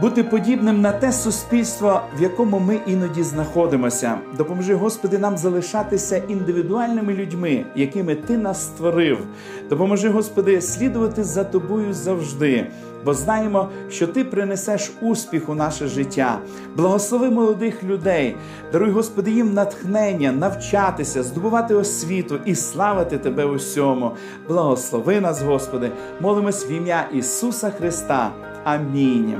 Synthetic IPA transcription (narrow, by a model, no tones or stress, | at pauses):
but̪ɪpɔdʲibnɪmnɐt̪ɛsʊsʲpʲilʲst̪ʋɔʋjɐkɔmʊmɪʔinɔdʲiznɐxɔd̪ɪmɔsʲɐ̰d̪ɔpɔmɔʒɪɦɔspɔd̪ɪnɑmzɐlˠɪʃɑt̪ɪsʲɐʔind̪ɪʋʲid̪ʊɑlʲnɪmɪlʲʊdʲmɪjɐkɪmɪt̪ɪnɑsːt̪ʋɔɾɪw | d̪̥ɔpɔmɔʒɪɦɔspɔd̪ɪsʲlʲid̪ʊʋɐt̪ɪzɐt̪ɔbɔjʊzɐwʒd̪ɪ | bɔznɑjemɔ | ʃt͡ʃɔt̪ɪpɾɪnesɛʃusʲpʲixʊnɑʃɛʒɪtʲːa̰ | blˠɐɦɔslˠɔʋɪmɔlˠɔd̪ɪxlʲʊd̪ɛj | d̪ɐɾujɦɔspɔd̪ɪjimnɐt̪xnɛnʲːɐnɐwt͡ʃɑt̪ɪsʲɐzd̪ʊbʊʋɑt̪ɪɔsʲʋʲit̪ʊʔislˠɑʋɪt̪ɪt̪ebɛʊsʲɔmʊ | blˠɐɦɔslˠɔʋɪnɑsɦɔspɔd̪ɪ | mɔlˠɪmɔsʲʋʲimjaʔisusɐxɾɪst̪ɑ̰ | ɐmʲinʲ